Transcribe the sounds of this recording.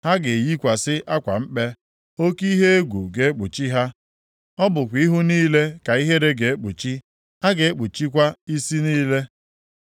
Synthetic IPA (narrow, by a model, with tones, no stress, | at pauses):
ha˦ɡe˨ji˦kʷa˨sɪ˦ʔa˦kʷa˨m̩˦k͡pe˦ | o˦ki˦ɦe˦e˦ɡʷṵ˨ɡe˨e˦k͡pu˨t͡ʃi˦ɦa˦ | ɔ˦bʊ˨kʷi˦ɦʊ˦niː˦le˦ka˨i˦ɦe˦ɾe˦ɡe˨e˦k͡pu˨t͡ʃi˦ | ha˦ɡe˨e˦k͡pu˨t͡ʃi˦kʷa˦i˦si˦niː˦le˦